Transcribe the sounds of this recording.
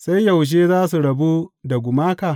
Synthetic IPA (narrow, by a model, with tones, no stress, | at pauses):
sa˦jja˨wʃ̬eː˦zaː˦su˨ɽɐ˨bu˦da˨ɡʷʊ˨maː˦kaː˨